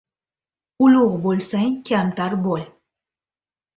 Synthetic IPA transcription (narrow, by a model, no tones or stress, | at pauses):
ʊlʊʁbolˠsaŋkʲʰamt̪aɾbɔl